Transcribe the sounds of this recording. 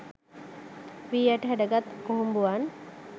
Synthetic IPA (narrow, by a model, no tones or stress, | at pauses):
ʋiːaʈəɦɛɖɐɡat̪koɦumbuan